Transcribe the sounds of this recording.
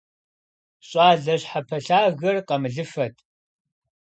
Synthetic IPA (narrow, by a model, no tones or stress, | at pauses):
ɕʼaːɮɐɕħapʰɐɬaːɣɐrqɐmɨɮɨfɐtʰʼ